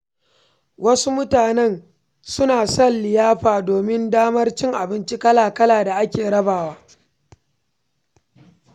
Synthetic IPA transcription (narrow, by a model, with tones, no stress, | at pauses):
wʔɐ˦su˦mʊ˦taː˨nɛ˦˨n | sʊ˦naː˨sɐ˦˨nlɪ˨jaː˦ɸaː˨doː˨mɪ˦ndaː˦mɐ˦rt͡ʃɪ˦ŋʔa˨bɪ˦nt͡ʃi˦kɐ˦laː˨kɐ˦laː˨da˨ʔa˦kʲeː˨ɽɐ˦baː˨waː˦